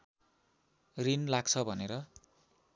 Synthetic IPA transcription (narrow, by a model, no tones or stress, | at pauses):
rinlaɡ̚t͡sʰʌbʱʌneɾʌ